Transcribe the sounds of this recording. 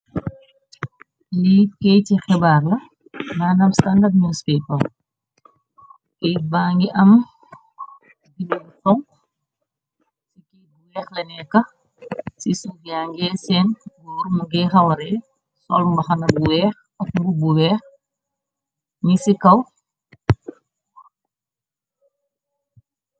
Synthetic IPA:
liːt̚kɛjtixɛbaːrlɐ | naːnɐmstandarɲuspɛpɐl | ʔijbaːŋɡiʔɐm | ɡililutɔŋ | sikibuwɛːxlɐnɛkːɐ | sisuɡaːŋɡɛːsɛːnɡɔːɾumuɡɛːxɐwɐɾɛ | sɔlmbɐxɐnɐbuwɛːx | ɐk̚bubuwɛːx | ɲisikɐw

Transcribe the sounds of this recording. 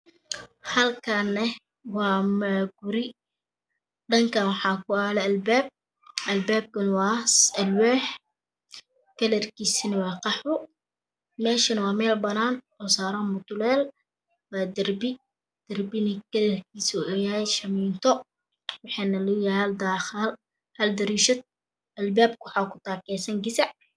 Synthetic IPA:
hɐlkʰɐnɛ | wɑːmɐɡʊɾɪ | ɖɐŋkʰɐwɑħɑːkʰʊaːlɛɐlbɛːb̚ | ʔɐlbaːb̚kɐnwɑːsɐlwɛːħ | kɐlɐrkʰiːsinɐwɑːqɑħʊ | mɛːʃɪnɐwɑːmɛːlbɐnaːnʔɔːsaːɾamʊt̪ʊlɛːl | waːd̪ɐrbɪ | d̪̥ɐɾbɪnɐkɐlɐrkʰiːsuɛjahɛjʃɐmiːnt̪ɔ | wʊħɛːnɐlujahɐld̪aːxɪl | hɐld̪ɐɾiːʃɐt̪̚ | ʔɐlbaːb̚kwħaːkʊ̥t̪aːkɛːsɐŋɡɪsaʕ

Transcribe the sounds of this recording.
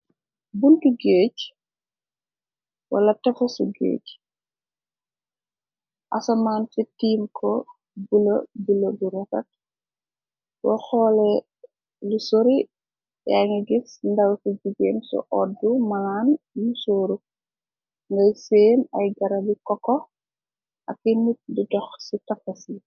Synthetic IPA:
buntuɡeːc | wɐ̰lɐtɐfɐsuɡḛːc | ʔasɐmaːnfɛtiːmkʰɔ | bulɐbulɐbuɾɐtɐt̚ | wɔxɔːlɛ | lusoɾi | jaŋiɡisndɐwsuɟuɡeːmsɔ̰ʔɔdːumanjusoːɾu | ŋɡɐjseːnɐjɡɐɾɐbikɔkːɔ | ʔɐkːinit̚dudɔxsitɐfɐsi

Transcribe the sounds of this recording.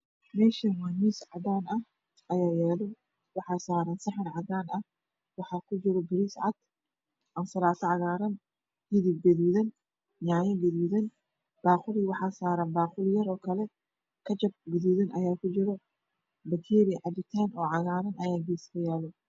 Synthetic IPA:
mɛːʃɐnwanisʕɑd̪aːnɐ | ʔɐjaːjɛːlɔ | wɑħɑːsaːɾɐnsɐħɪnʕɑd̪aːnɐ | wɑħɑkʰʊd͡ʒɪɾɔɡɪɾisʕɑ̰d̪̥ | ʔɐnsɐlaːt̪ʰɐʕɑɣaːɾɐn | hɪðib̚ɡɐðuːðɐn | jaʕjɐɡɐðuːðɐn | b̥aːqʊliwɑħɑsaːɾɐnbaːqʊljɐɾɔːkʰɐlɛ | kʰɐt͡ʃɐb̚ɡɐðuːðɐnʔɐjaːkʰʊd͡ʒɪɾɔ | bɐt̪ʰiːɾɪʕɑd̪ɪt̪ʰaːnɔːʕɑɣaːɾɐnʔɐjaːɡiskʰɐjɛːlɔ

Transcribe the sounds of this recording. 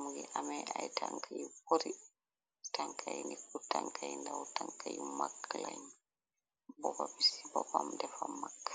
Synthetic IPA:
muɡɛ̰ʔamɛajtʰaŋkʰajiboɾi | taŋkʰajinikutaŋkʰajndawɔtaŋkʰajimakːlajn | bɔbabisibɔbamdɛfamːakːḁ

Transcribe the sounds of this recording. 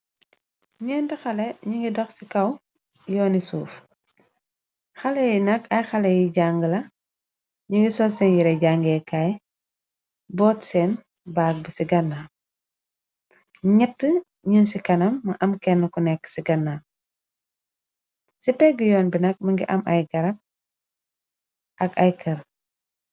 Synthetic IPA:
ɲɛːntɐxɐlɛɲuŋɡidɔxsikɐw | jɔːnisuːf | xɐlɛjinɐkɐjxɐlɛjiɟaŋɡəlɐ | ɲuŋɡisɔlsɛnjiɾɛɟaŋɡɛkaj | bɔːtsɛn | baːk̚bisiɡɐnːaː | ɲɛtːə | ɲunsikɐnɐmːɐʔɐmkɛnːəkunɛkːsiɡɐnːa | sipɛɡəjɔːnbinɐk̚mɐŋɡiʔɐmʔɐjɡɐɾɐp̚ | ʔɐkɐjkɐɾ

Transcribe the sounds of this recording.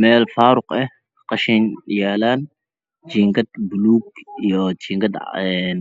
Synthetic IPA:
mɛːlfaːɾʊqɛ | qɑʃɛnjaːlaːn | t͡ʃiːŋkɐd̪bʊluːɡijɔt͡ʃiːŋkɐd̪ɛn

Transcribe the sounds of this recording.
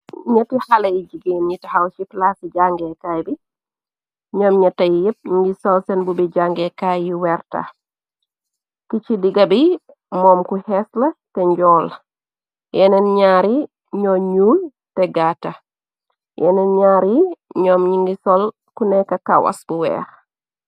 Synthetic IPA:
ɲɐtihalɐid͡ʒiɡinɲitɐhawʃiplasid͡ʒaŋɡɛkaːjbi | ɲɔːmɲɐtːɐjjɛp̚ɲiŋɡisɔlsɛnbubiɟaŋɡɛkajiwɛɾtɐ̰ | kit͡ʃidiɡɐbi | mɔːmkuhɛslɐtɛɲɟɔːl | jɛnɛnɲaːɾi | ɲɔɲuːl | tɛɡatɐ | jɛ̰nɛnɲaːɾiɲɔːmɲiŋɡisɔl | kunɛkːɐkɐwɐ̰sbuwɛ̰ːx

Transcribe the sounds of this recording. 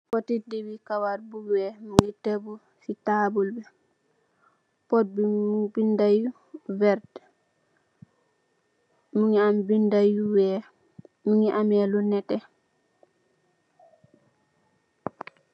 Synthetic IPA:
potitdiwikawaɾbuɡwɛmuŋitebu | sitaːbulbɛ | pɔt̚bimubindaju | vɛɾd | muŋiambindajuwɛ | muŋiʔamɛlunɛtɛ

